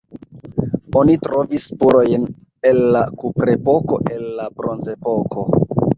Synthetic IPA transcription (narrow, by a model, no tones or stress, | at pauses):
o̞nitɾo̞vispuɾo̞jn | e̞lːakupɾe̞po̞ko̞̰ʔe̞lːabɾo̞nze̞po̞kʰo̞